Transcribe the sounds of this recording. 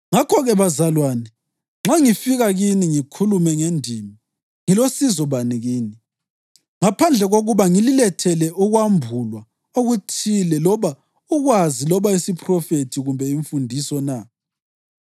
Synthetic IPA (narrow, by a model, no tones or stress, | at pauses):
ŋakʰɔɣɛβazalwaːnɛ | ŋ͡ǁaŋifiɣaɣiniŋikʰulumɛŋendʱiːmi | ŋilosizɔβaniɣiːni | ŋapʰand͡ɮʱɛɣoɣuβaŋililɛtʰɛlɛʔuɣwambʱulwa | oɣutʰilɛlɔβa | uɣwazilɔβaisipʰʼrɔfetʰiɣumbʱɛiɱfundʱisɔna